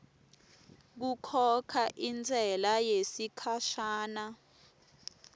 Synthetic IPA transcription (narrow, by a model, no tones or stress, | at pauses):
k̬ukʰɔkʰaʔind͡zʱɛlajesikʰaʃaːna